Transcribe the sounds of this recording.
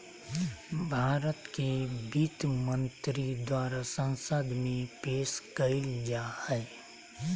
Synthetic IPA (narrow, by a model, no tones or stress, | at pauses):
bʱaːɾət̪kebit̪mə̃nt̪ɾid̪waːɾasə̃nsəd̪mẽpeːʃkəɪld͡ʒaːhɛː